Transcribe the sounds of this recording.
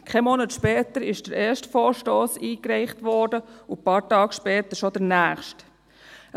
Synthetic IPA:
kʰemɔnətʃpɛːtəɾɪʃd̥əɾɛːʃtfɔːɹʃtoːsiːkɾɛɪχtʋɔːdəʊpɑːɾtɑːkʃpɛːt̪əʃɔd̥əɾnæːχʃt

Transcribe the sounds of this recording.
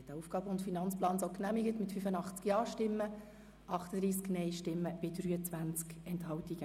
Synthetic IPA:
tdəuːfɡ̥ɑːbəʊntfinɑnt͡splɑːnsoʊknæmiɡətmɪtfyfənɑχt͡skjɑːʃtɪmːə | ʔɑχtəd̥ɾiːsknɛɪʃtɪmːəb̥ɪdɾyːət͡sʋænt͡skɛnthɑwtiɡə

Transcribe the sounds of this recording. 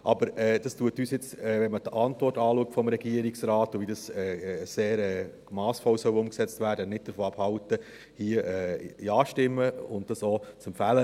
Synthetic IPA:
ʔɑbəɾɛd̥ɑstuətyːsjɪt͡sɛːʋɛnmətɑntvɔrtɑːluək̚tfɔmɾɛɡiəɾɪksɾɑːtʊʋidɑsɛːseːɾɛː | mɑːsfɔwsœwʊmksɛt͡stvæːɾdənɪt̚d̥əɾfoːɑphɑwtə | hiəʔɛiɑːʃtɪmːəʊnddɑsoːt͡sɛmfælə

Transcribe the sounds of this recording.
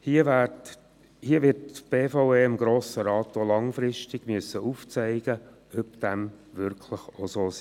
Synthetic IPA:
hiəʋæ | hiəʋɪtb̥eːfoʊeɪmɡɾoːsəɾɑːt̪olɑŋfɾɪʃtɪɡ̥myəsːəʔuft͡sɛɪɡ̥ə | œpd̥æm | ʋʏɾkʰləχosoːsi

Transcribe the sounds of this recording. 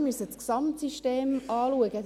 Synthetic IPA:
mysət͡sksɑmtsiʃteːmɑːluəɡə

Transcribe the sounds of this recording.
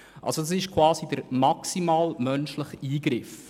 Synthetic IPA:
ʔa̰lsod̥ɑsɪʃkʰv̥aːzidəɾmaksimaːlmœnʃlɪχiːɡɾɪf

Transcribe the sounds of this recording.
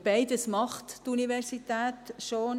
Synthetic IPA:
b̥aɪd̪əsmɑχt̪tunivɛɾsit̪æːt̪ʃo

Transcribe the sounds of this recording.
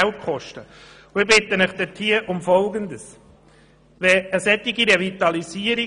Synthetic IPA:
ælt̚kʰχɔʃtə | ʊɪɾbɪt̪ːənəχd̥̪ɛtʰiəʔʊmfɔlɡənd̪əs | ʋɛəsɛt̪ːiɡiɾevit̪ɑlisiːəɾi

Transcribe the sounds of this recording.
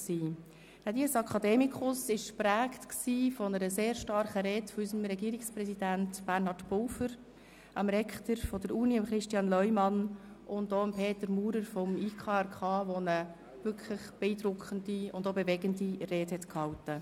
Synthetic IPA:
siː | d̥ɛd̪iəsɑkʰɑd̪ɛːmikʰʊsɪʃpɾæːktksiːfɔnəɾəseːɾʃtɑɾχəɾɛːtfɔysəmɾɛɡiːɾɪkspɾɛsidæntb̥æɾnhɑɾdbʊːfəɾ | ɑmɾɛkχtəɾfɔd̥əɾuːniəmχɾɪʃtjɑnlœʏmɑn | ʊndoːəmpʰeːtəɾmuːɾəɾfɔmiːkʰɑːɛɾkʰɑːʋonə | vʏɾkʰləχb̥ɛiːdɾʊkʰχəndiʊndobevɛɡəndirɛːthɛtkhɑwtə

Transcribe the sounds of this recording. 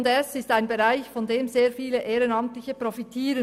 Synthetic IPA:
ndɛsɪstaɪnbeʁaɪçfɔndeːmzeːɐfiːləʔeːʁənɑmtlɪçəpʁɔfitʰiːɾə

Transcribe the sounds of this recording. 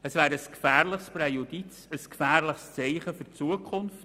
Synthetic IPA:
əsvæːɾəskfæːɾləχsprɛjudit͡səskfæːɾləχst͡sɛɪχəfʏɾt͡suəkʰχʊnft

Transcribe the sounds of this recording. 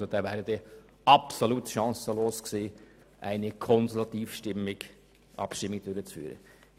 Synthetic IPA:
od̥̪ɑːvæːɾəd̥e | ɑpsoluːtʃɑ̃ːsəloːskseː | ʔæɪnəkʰɔnsɛlɑt̪iːfʃtɪmːɪɡ̥ | ʔɑ̰pʃtɪmːɪɡd̥øɾət͡sfy̰ːɾə̰

